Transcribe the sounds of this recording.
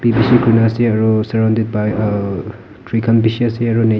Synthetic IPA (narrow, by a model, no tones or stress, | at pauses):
pibisikʰunasiɐɾusɐɾawnded̚baj | tɾikʰɐnpisiasiɐɾune